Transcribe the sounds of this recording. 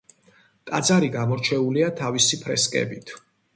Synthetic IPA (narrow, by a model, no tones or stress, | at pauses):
t̪ʼad̪zaɾiɡamɔɾt͡ʃʰɛuliat̪ʰavisipʰɾɛ̰skʼɛ̰bit̪ʰ